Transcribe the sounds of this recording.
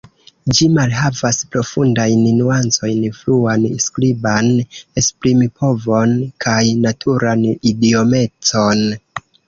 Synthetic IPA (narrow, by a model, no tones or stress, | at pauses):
d͡ʒimalɦavaspɾo̞fundajnnuant͡so̞jnfluanskɾibanespɾimipʰo̞vo̞nkʰajnatʰuɾanidio̞me̞t͡so̞n